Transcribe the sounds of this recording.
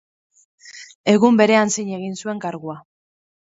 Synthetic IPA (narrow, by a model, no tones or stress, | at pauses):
e̞ɣumbe̞ɾe̞ansiɲe̞ɣinsue̞ŋkaɾɣua